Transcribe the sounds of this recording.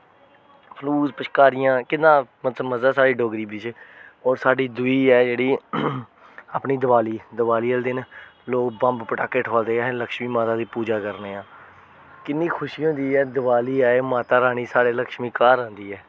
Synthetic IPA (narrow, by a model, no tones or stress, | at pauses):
pʰluːzpəʃkaːɾɪjãːkɪd̪ãːmət̪ləbməzaːsaːɖiːɖoːɡɾiːbɪt͡ʃːɔːɾsaːɖiːd̪ʊiːɛːd͡ʒeːɽiː | apniːd̪əbaːliːd̪əbaːliːəld̪ɪnloːkbə̃mbpəʈaːkeːʈʰɦəːld̪eːaːɦɛ̃ləkʃmiːmaːt̪aːd̪iːpuːd͡ʒaːkəɾneːãː | kɪnːĩːkʰʊʃijõːd̪iːɛːd̪əbaːliːaːemaːt̪aːɾaːñiːsaːɽeːləkʃmiːkaːɾãːnd̪iːɛː